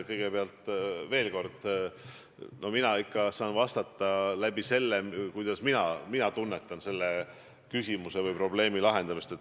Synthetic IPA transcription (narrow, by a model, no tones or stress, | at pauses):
kɤjɡ̥e̞peɑlt̪ˑve̞ːlko̞rd̪̥ | nʔo̞minɑikːɑsɑːnvɑst̪ɑt̪ːˑɑlæb̥ise̞lːekujd̪̥ɑsminɑminɑt̪unːe̞t̪ːˑɑnse̞lːe | kysʲimuse̞vɤjpro̞ble̞ːmilɑɦe̞nd̪ɑmist̪e̞t̪ːˑ